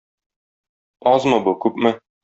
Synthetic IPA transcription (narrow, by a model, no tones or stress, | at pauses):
ɒzmɤbukʉpmɘ